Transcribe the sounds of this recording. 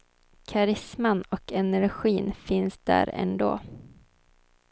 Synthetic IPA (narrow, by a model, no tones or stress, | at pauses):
kʰaɾɪsmanɔkɛnæɾɧiːnfɪnsd̪æ̰ɾɛ̰nd̪o̰ː